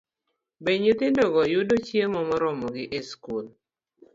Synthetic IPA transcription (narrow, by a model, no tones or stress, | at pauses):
beɲet̪ɪndɔɡɔjʊdot͡ʃjemɔmɔɾɔmɔɡɪʔeskul